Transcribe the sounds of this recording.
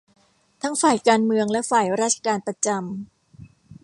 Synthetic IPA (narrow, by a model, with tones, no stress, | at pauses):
t̪ʰa˦˥ŋfaː˨˩jkaː˧nmɯ˧əŋlɛ˦˥ʔfaː˨˩jɾaː˦˥t̪̚t͡ɕʰḁ˧kaː˧npɾa˧t͡ɕa˧m